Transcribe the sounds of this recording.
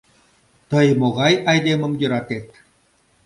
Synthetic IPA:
t̪ɤjmoɣɑjɑjd̪emə̆mjə̆ɾɑt̪et̪

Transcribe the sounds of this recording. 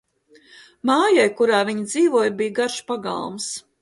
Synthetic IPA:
maːjajkuɾaːviɲid̪ziːvuɔjbijɡaɾʃpaɡa̰lˠms

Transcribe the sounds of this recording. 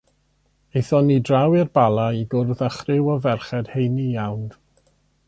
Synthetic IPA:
ejθɔnidrawɪrbalˠaiɡʊrðaχrɪwɔvɛrχɛd̥hejnijawn

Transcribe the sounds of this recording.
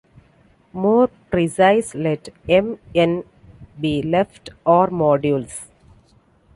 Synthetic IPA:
moːɾpɾisaɪslɛʈẽmẽn | biːlefʈɔːɾmɔːɖjuls

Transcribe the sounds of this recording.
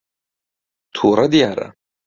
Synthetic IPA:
tʰuːɾad̪ijaːɾa̰

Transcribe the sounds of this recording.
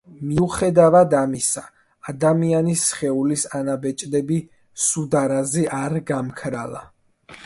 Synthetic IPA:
miuχɛd̪avad̪amisaː | d̪amianisχɛulisanabɛt͡ʃʼd̪ɛbi | sud̪aɾazɛʔaɾɡamkʰɾa̰la̰

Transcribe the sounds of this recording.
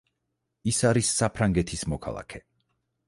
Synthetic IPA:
isaɾisːapʰɾaŋɡɛt̪ʰismɔkʰa̰lˠa̰kʰɛ

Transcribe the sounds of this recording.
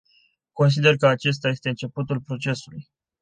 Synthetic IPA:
ko̞ns̬id̪e̞rkəat͡ʃe̞s̬t̪aje̞st̪e̞ɨnt͡ʃe̞put̪ulpɾo̞t͡ʃe̞suluj

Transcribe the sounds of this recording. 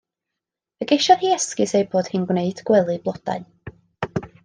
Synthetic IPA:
əɡejʃɔðhiːɛskɨsejboːd̥hɨnɡwneɨd̥ɡwɛlˠɨblˠɔd̥a̰ɨ

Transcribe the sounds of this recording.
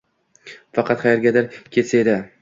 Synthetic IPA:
fɑqʰɑt̪χajaɾɡʲad̪aɾkʲʰe̞t̪saed̪ɪ

